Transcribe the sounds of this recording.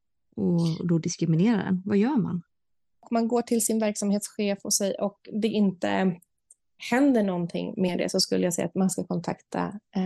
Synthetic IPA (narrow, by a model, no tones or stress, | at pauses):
ɔd̪ɔd̪ɪskɾɪmɪneːɾaɖɛ̰nvajœːɾma̰n | ɔkmanɡoːʈʰɪlsɪnvæɾksamheːt̪sɧeːfɔsɛjʔɔkd̪ɛʔɪnt̪ə̰ | hɛnd̪əɳɔnt̪ʰɪ̰ŋːmeːd̪ɛ̰sɔskɵlːəjasɛjːʔa̰t̪manskakʰɔnt̪ʰa̰kt̪ʰa̰